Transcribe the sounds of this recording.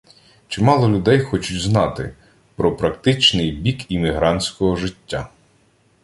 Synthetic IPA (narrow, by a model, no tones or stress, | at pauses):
t͡ʃɪmɑlˠɔlʲʊd̪ɛjxɔt͡ʃʊtʲznɑt̪ɪ̰ | pɾɔpɾɐkt̪ɪt͡ʃnɪjbʲikimʲiɦɾɑnʲsʲkɔɦɔʒɪtʲːa